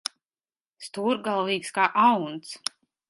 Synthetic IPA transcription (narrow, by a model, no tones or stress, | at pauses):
st̪uːɾɡalˠviːkskaːʔawnt̪s